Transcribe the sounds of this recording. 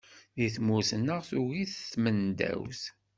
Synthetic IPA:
ðiθmusənːəʁθuɣiθəsmənd̪æ̰wθ

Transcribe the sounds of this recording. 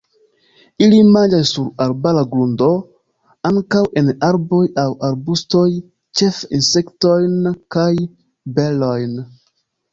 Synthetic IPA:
ilimand͡ʒasːuɾaɾbalaɡɾundo̞ | aŋkawe̞naɾbo̞jawʔaɾbustoj | t͡ʃe̞fḭnse̞ktojnkaj | belojn

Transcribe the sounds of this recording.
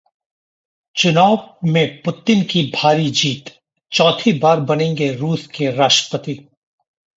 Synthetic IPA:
t͡ʃʊnaːʋmẽpʊt̪ɪnkibʱaːɾid͡ʒiːt̪ | t͡ʃɔːt̪ʰibaːɾbɐnẽːŋɡeɾuːskeɾaːʃʈə̥pət̪i

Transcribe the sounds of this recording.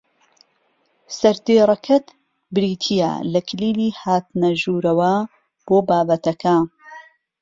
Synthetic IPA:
sɐɾd̪iːrˤɐkʰɐt̪ | bɾiːt̪ʰija̰lɐkʰliːliːhaːt̪nɐʒuːɾɐwɐ | b̥oːbaːbɐt̪ɐka

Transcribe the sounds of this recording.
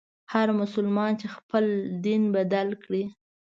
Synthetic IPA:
haɾmʊsʊlmɑnt͡ʃexpəld̪inbad̪alkɽi

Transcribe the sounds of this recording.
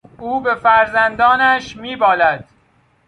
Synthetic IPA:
ʔuːbe̞fæɾzænd̪ɒːnæʃmiːbɒːlæd̪̥̚

